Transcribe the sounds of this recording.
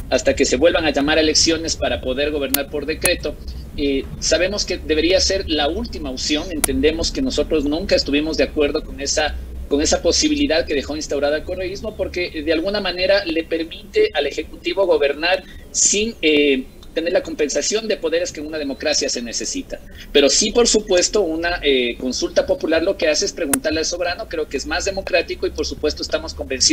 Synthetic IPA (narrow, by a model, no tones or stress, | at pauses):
ast̪ake̞se̞βwe̞lβaŋaʝamaɾe̞le̞ksjo̞ne̞spaɾapo̞ðe̞ɾɣo̞β̞e̞ɾnaɾpo̞ɾðe̞kɾe̞t̪o̞ | e | saβ̞e̞mo̞ske̞ðeβe̞ɾiase̞ɾlault̪imaosjo̞ŋe̞nt̪e̞nd̪e̞mo̞ske̞no̞so̞t̪ɾo̞znũŋkaest̪uβ̞imo̞zðeakwe̞ɾð̞o̞ko̞ŋesa | ko̞ŋe̞sapo̞siβiliðaðke̞ðe̞xo̞inst̪awɾaðalko̞reizmo̞po̞ɾke̞ʔðe̞alɣunamãne̞ɾale̞pe̞ɾmit̪e̞ʔale̞xe̞kut̪iβo̞ɣo̞βe̞ɾnaɾsine | t̪e̞neɾlako̞mpe̞nsasjo̞nd̪e̞po̞ðe̞ɾe̞ske̞ũnað̞e̞mo̞kɾasjase̞ne̞se̞sit̪a | pe̞ɾo̞sipo̞ɾsupwe̞st̪o̞unaʔeko̞nsult̪apo̞pulaɾlo̞ke̞aseespɾe̞ɣunt̪aɾlealso̞βɾano̞kɾe̞okeezmazðe̞mo̞kɾat̪iko̞ipo̞ɾsupwe̞st̪oest̪amo̞sko̞mbe̞nsi